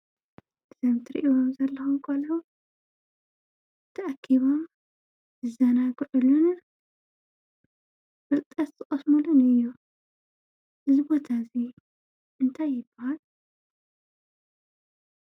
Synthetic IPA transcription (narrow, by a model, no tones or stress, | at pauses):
ɨzɐmt̪ʰɨɾḭʔomzɐlːɐxumkʰolo | t̪ʰɐʔakʰːiβo̞m | zɨzɐnaɡʕulun | fɨlt̪ʼɐt̪zɨχʼɐsmulunɨjːu | ʔɨzɨbo̞t̪ʰazi | ʔɨnt̪ʰajːɪbːɐhal